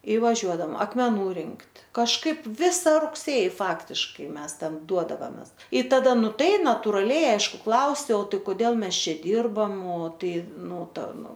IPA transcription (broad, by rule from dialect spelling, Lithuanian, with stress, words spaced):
ɪ ʋɐˈʒʲuɔdɐm ɐkmʲɛˈnuː ˈrʲɪŋktʲ kɐʃˈkɐɪp ˈʋʲɪsɐ rʊkˈsʲeːjɪ ˈfɑːktʲɪʃkɐɪ ˈmʲɛs ˈtɐm ˈduɔdɐʋɐmʲɛs ɪ tɐˈdɐ ˈnʊ ˈtɐɪ nɐtʊrɐˈlʲɛɪ ˈɐɪʃkʊ ˈklˠɐʊsʲɛʊ ˈtɐɪ koːˈdʲeːlˠ ˈmʲɛs ˈt͡ʃʲɛ ˈdʲiːrbɐm oː ˈtɐɪ ˈnʊ ˈtɐ ˈnʊ